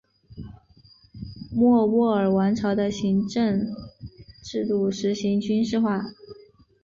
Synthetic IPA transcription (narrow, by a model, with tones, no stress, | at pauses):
mwɔ˥˧wɔ˥˩ə˞˨˩wa˧˥nʈ͡ʂʰɑ˧˥ʊd̪ə˧ɕi˧˥ŋʈ͡ʂə˥˧ŋ | ʈ͡ʂɻ̩˥˧t̪u˥˩ʂɻ̩˧˥ɕi˧˥ŋt͡ɕy˥nʂɻ̩˥˧xwa˥˩